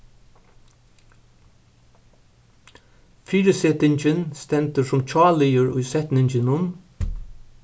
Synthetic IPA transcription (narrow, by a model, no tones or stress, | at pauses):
fiːɾəsɛt̪ɪɲt͡ʃɪnst̪ɛnt̪əsʊmt͡ʃʰɑːlɪjəɹʊ̰jsɛt̪nɪɲt͡ʃɪnʊm